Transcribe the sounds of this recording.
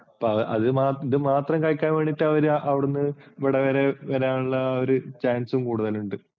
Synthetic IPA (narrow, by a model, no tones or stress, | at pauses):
ɐpːoɐʔɐ̰ðɨmaːiðɨmaːt̪rɐmkaːjkʲːaːnʋeːɳːiʈːɨɐʋɐɾʔɐʋiɽenːɨʋiɽɐʋeɾeʋɐɾejaːɳuɭːɐoɾut͡ɕaːnsumkuːɽuðɐluɳɖɨ